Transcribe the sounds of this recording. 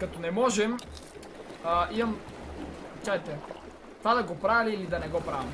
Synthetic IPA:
kɐt̪ɔnɛmɔʒɛm | ʔimɐm | t͡ʃaɛt̪ɛ | t̪vad̪ɐɡopɾaviliilid̪ɐnɛɡɔpɾavɐm

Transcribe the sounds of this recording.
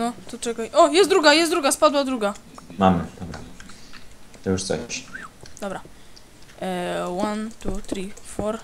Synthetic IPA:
nɔt̪ɔt͡ʂɛkajʔɔjɛst̪d̪ɾuɡajɛst̪d̪ɾuɡaspad̪wad̪ɾuɡa | mamɘt̪ɔma̰m | t̪ɔjuʂt̪sɔ̰ɕd̪ɔbɾa | want̪ut̪ɾʲifɔɾ

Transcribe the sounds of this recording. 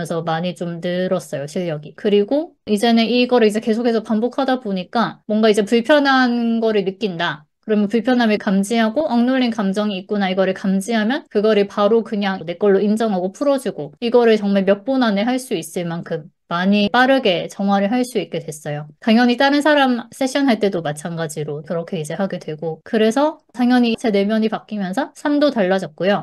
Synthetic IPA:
nsʰʌmaɲit͡ɕomnɯɾʌs͈ʌjoɕʰiʎːʌɡikɯɾiɡoid͡ʑe̞nɯniɡʌɾɯɭid͡ʑe̞ke̞sʰokʰesʰʌpambokʰadaboɲik͈amwʌŋɡaid͡ʑe̞puɭpʰjʌnɦanɡʌɾɯɭnɯk͈inda | kɯɾʌmjʌnpuɭpʰjʌnɦamikamd͡ʑiɦaɡoʔaŋnuʎːinkamd͡ʑʌŋiːk̚k͈onaiɡʌɾɯɭkamd͡ʑiɦamjʌnkɯɡʌɾɯpaɾokɯɲaŋne̞k͈ʌɭːoind͡ʑʌŋɦaɡopʰuɾʌd͡ʑiɡoiɡʌɾɯɭt͡ɕʌŋmaɭmjʌk̚p͈onane̞ɦaɭs͈uis͈ɯɭmankʰɯmːaɲip͈aɾɯɡe̞t͡ɕʌŋɦwaɾɯɭɦaɭs͈uik̚k͈e̞dwe̞s͈ʌjotaŋjʌɲit͈anɯnsʰaɾams͈ʰe̞ɕ͈ʰʌnɦaɭt͈e̞domat͡ɕʰanɡad͡ʑiɾokɯɾʌkʰe̞id͡ʑe̞ɦaɡedwe̞ɡokɯɾe̞sʰʌtaŋjʌɲit͡ɕʰene̞mjʌɲipak͈imjʌnsʰʌsʰamdotaɭːad͡ʑʌt̚k͈ojo

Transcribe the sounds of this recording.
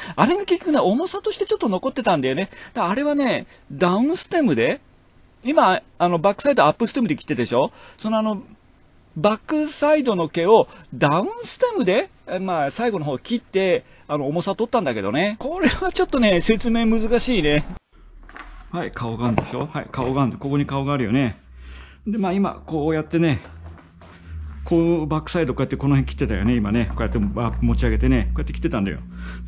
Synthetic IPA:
aɾe̞ɡakʲikʲːjokɯ̟neo̞mo̞sat̪o̞ɕi̥t̪e̞t͡ɕo̞t̪ːo̞no̞ko̞t̪ːe̞t̪ãnd̪ajo̞ne̞d̪̥aːɾe̞βane̞ | d̪aɯ̟̃ɰ̃sɨ̥t̪emɯ̟d̪e̞ | imaːno̞bakːɯ̟̥said̪oapːɯ̟sɨ̥t̪emɯ̟d̪ekʲi̥t̪ːed̪eɕo̞so̞no̞ano̞ | bakːɯ̟said̪o̞no̞ke̞o̞d̪aɯ̟̃ɰ̃sɨ̥t̪ẽmɯ̟d̪e̞ | maːsaiɡo̞noɦo̞ːkʲit̪ːe̞ | ano̞ːmo̞sat̪o̞t̪ːãnd̪ake̞d̪o̞̰ne̞ko̞ɾe̞βat͡ɕo̞t̪ːo̞ne̞se̞t͡sɨme̞ːmɯ̟zɨkaɕiːne̞ | haikʰao̞ɡand̪eɕo̞haḭkaoɡand̪eko̞ko̞ɲ̟ikao̞ɡaːɾɯjo̞̰ne | d̪e̞maːima̰ko̞ːjat̪ːe̞ne̞ | kʰobakːɯ̥said̪o̞kojat̪ːeko̞no̞ɦẽŋkʲi̥t̪ːe̞t̪ajo̰ne̞imane̞koːjat̪ːeamo̞t͡ɕiaɡe̞t̪e̞nekoːjat̪ːekʲi̥t̪ːet̪ãnd̪a̰jo̰

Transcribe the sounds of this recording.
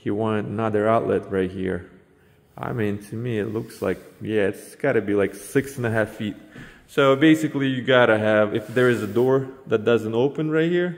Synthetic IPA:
hiwɑ̃ntnʌðə˞aʊʔˡlɛ̰t̚ɹaɪt̚hḭɹ | ʔa̰ɪmĩntʰɨmiɪtˡlʊksla̰ɪk̚jæɨtsɡ̥ɑɾɨbilaɪksɪksn̩ɨɦæfit̚soʊbeɪsɨklijɨɡɑɾɨɨvɨfðə˞ɨzɨdɔɹðɨt̚d̥ʌzɨ̃ntoʊpɨ̃nɹaɪt̚hiɹ

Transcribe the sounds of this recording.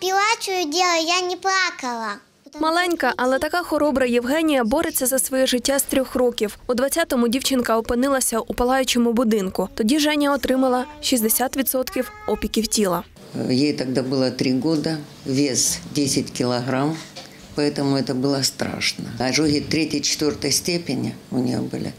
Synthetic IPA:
pʲilˠat͡ʃʊjʊdʲɛlˠɐjanʲɪplˠakɐlˠɐ | mɐlˠɛnʲkɐʔɐlˠɛt̪ɐkaxɔɾɔbɾɐjɪwɦɛnʲijɐbɔɾet͡sʲːɐzɐsʋɔjɛʐɪtʲːast̪ɾʲɔxrɔkʲiwʊd̪ʋɐt͡st͡sʲat̪ɔmʊdʲiwt͡ʃɪnkɐɔpɪnɪlˠɐsʲɐʔʊpɐlˠɑjʊt͡ʃɛmʊbʊd̪ɪnkʊt̪ɔdʲiʒɛnʲɐɔt̪ɾɪmɐlˠɐʃizʲd̪esʲat̪ʋʲid̪sɔt̪kʲiwɔpʲɪkʲiwtʲilˠɐ | jejt̪ɐɡ̚d̪abɨlˠət̪ɾʲiɡod̪ə | vʲezdʲesʲɪtʲkʲɪlˠɐɣɾam | pɐɛt̪əmʊɛt̪əbɨlˠəst̪ɾa̰ʂnəɐʐoɦʲɪt̪ɾʲetʲɪjt͡ʃɪ̥t̪vʲort̪əjsʲtʲepʲɪnʲɪ̰ʊnʲɪ̰jo̰bɨ̰lʲɪ̰

